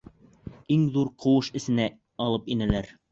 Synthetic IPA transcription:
iŋðuɾqʰɤ̆wɤʃɘ̆sɘ̆næ | ɒlˠɤpinælæɾ

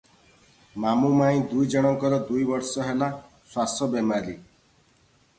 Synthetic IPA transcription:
mamumaĩd̪ujd͡ʒɔɽ̃ɔŋkɔɾɔd̪ujbɔɾsɔɦela | swasɔbemaɾi

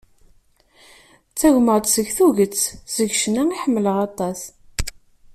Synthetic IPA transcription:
t͡sːæʝməʁt̪səʝθuʝət͡sːz̥əʝʃnæiħəmːələʁɑt̪ˤɑs

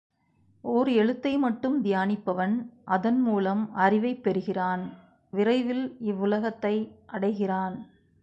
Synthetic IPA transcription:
oɾɯɛɻɯt̪ːɐɪmɐʈːɯmd̪ɪjaːnɪpːɐʋɐnʔɐðɐnmuːlɐmɐrɪʋɐɪpːɛɾɯɣɪraːn | ʋɪrɐɪʋɪlɪʋːʊlɐɣɐt̪ːɐɪʔɐɽɐɪɣɪraːn

